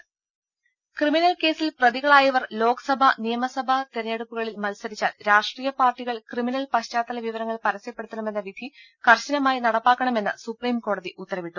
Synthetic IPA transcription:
kriminɐlke̞ːsilprɐðiɣɐɭaːjɐʋɐrlo̞ːkɐ̥sɐbʱɐnijɐmɐsɐbʱɐt̪iɾɐneɽupːuɣɐɭilmɐlsɐɾit͡ɕːaːlɾaːʂʈriːjɐpaːrʈːiɣɐɭkriminɐlpɐɕt͡ɕaːt̪ːɐlɐʋiʋɐɾɐŋːɐɭpɐɾɐsɐjɐpːe̞ɽut̪ːɐɳɐme̞nːɐʋid̪ʱi | kɐrɕɐnɐmaːjinɐɽɐpːaːkːɐɳɐme̞nːɐsupriːmko̞ːɽɐðiʔut̪ːɐɾɐʋiʈːu

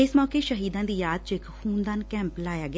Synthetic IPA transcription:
ɪsmɔːkeʃəɦiːd̪ãːd̪iːjaːd̪̚t͡ʃɪkhuːnd̪aːnkɛ̃ːmplaːjaːɡ

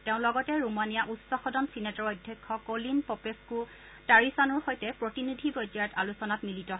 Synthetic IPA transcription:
teʊ̃lɔɡɔtɛɹumanijaʔutsɔxɔdɔnsinɛtɔɹojdʱːjɛkʰːɔkolinpɔpesku | taɹisanʊɹxojtɛpɹɔtinidʱibɔjdaɛtalusɔnatmilitɔɦ

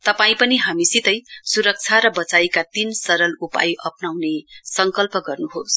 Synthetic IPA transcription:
t̪ʌpaĩpʌniɦamisit̪ʌjsuɾʌk̚t͡sʰaɾʌbʌt͡sajkat̪insʌɾʌlupa̰jʔʌpnawnesʌŋkʌlpʌɡʌrnuɦos

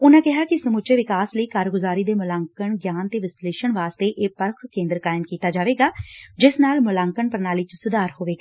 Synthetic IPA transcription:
ʊnãːkɪɦaːkɪsəmʊt͡ʃeʋɪkaːsləiːkaːɾɡʊzaːɾiːd̪eːmʊlaːŋkəɳɡjaːnt̪eːʋɪsleːʃəɳʋaːst̪eːʔeːpəɾkʰkẽːnd̪əɾkaːɪmkiːt̪aːd͡ʒaːʋeːɡaːd͡ʒɪsnaːlmʊlãːŋkəɳpəɾnaːliːt͡ʃʊsʊd̪aːɾɦoːʋeːɡaː

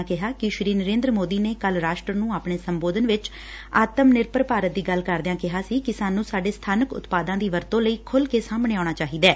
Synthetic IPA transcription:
kɪɦaːkɪʃɾiːnəɾẽːnd̪ɾəmoːd̪iːneːkəlɾaːʃʈɾənũːaːpɳeːsəmboːd̪ənʋɪt͡ʃ | aːt̪əmnɪɾpəɾpaːɾət̪̚d̪iːɡəlkəɾd̪ãːkɪɦaːsiːkɪsaːnũːsaːɖeːst̪ʰaːnəkʊ̰t̪paːd̪ãːd̪iːʋəɾt̪õːləiːkʰʊlkeːsaːmɳeːaːɳaːt͡ʃaːɦiːd̪ɛː

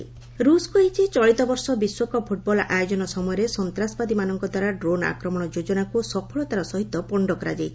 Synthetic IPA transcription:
ɾuskueit͡ʃʰit͡ʃɔɭit̪ɔbɔɾsɔbiswɔkɔpʰuʈ̚bɔla̰jod͡ʒɔnɔsɔmɔjɔɾesɔnt̪ɾasɔbad̪imanɔŋkɔd̪ʱaɾaɖɾona̰kɾɔmɔɽ̃ɔd͡ʒod͡ʒɔnakusɔpʰɔɭɔt̪aɾɔsɔɦit̪ːɔpɔɳɖɔkɔɾa̰d͡ʒajtʰ

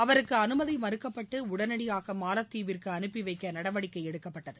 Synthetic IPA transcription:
ɐʋɐɾɯkːɯɐnɯmɐðimɐɾɯkːɐpːɐʈːɯʊɽɐnɐɽɪjaːɣɐmaːnɐt̪ːiːʋɪrkɯɐnɯpːiʋɐɪkːɐnɐɽɐʋɐɽɪkːɐɪɛɽɯkːɐpːɐʈːɐðɯ

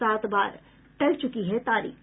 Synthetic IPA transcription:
aːt̪ba̰ːɾ | ʈɐlt͡ʃʊkiɦɛt̪aːɾḭː

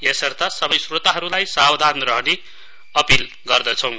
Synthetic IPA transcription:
esʌrt̪asʌbʌjsrot̪aɦʌɾulajsawd̪ʱanrʌɦʌne | ʌpil | ɡʌrd̪ʌt͡sʰʌ̃w̃

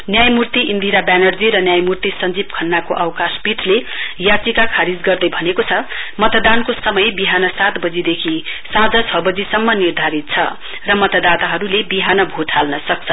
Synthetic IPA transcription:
njajmurt̪iʔind̪ʱiɾabanʌrd͡ziɾʌnjajmurt̪isʌnd͡zib̚kʰʌnːakoʔawkaspiʈʰlejat͡sikakʰaɾid͡zɡʌrd̪ʌjbʱʌnekot͡sʰʌmʌt̪d̪ankosʌmʌjbiɦanʌsat̪bʌd͡zid̪ekʰisãd͡zʌt͡sʰʌbʌd͡zisʌmːʌnird̪ʱaɾit̪̚t͡sʰʌ̰ | rʌmʌt̪ʌd̪at̪aɦʌɾulebiɦanʌbʱot̪ʰalnʌsʌk̚t͡sʰʌ

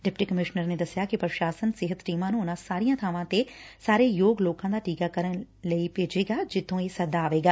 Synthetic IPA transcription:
ɖɪp̚ʈiːkəmɪʃnəɾneːd̪əsɪjaːkɪpɾəʃaːsənsɪɦət̪ʈiːmãːnũːʊnãːsaːɾijãːt̪ʰaːʋãːt̪esaːɾeːjoːɡloːkãːd̪aːʈiːkaːkəɾən | ləiːpeːd͡ʒeːɡaːd͡ʒɪt̪ʰːõːeːsəd̪aːʋeːɡaː

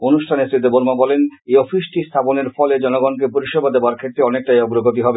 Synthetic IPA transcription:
onuʃʈʰanesɾit̪eboɾmabɔleneɔfisʈist̪ʰaponeɾfɔled͡ʑɔnoɡɔnk̬epoɾiʃɔbad̪eoaɾkʰet̪ːɾeɔnek̚ʈajɔɡɾoɡot̪̬iɦɔbe

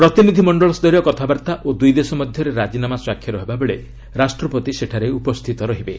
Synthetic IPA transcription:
pɾɔt̪inid̪ʱimɔɳɖɔɭɔsd̪ɔɾijɔkɔt̪ʰabaɾt̪aʔod̪ujd̪esɔmɔd̪ʱjɔɾeɾad͡ʒinamaswakʰːjɔɾɔɦebabeɭe | ɾasʈɾɔpɔt̪iseʈʰaɾeupɔst̪ʰit̪ɔɾɔɦibe

